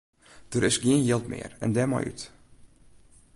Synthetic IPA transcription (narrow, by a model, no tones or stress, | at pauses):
d̥əɾɪsɡiənjɪlˠtmɪ̰ərɛ̰ndɛmɔ̰jʔy̰t